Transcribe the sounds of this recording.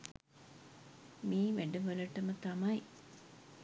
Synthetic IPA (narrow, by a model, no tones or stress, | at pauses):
miːʋeɖəʋəlɐʈəmət̪amɐj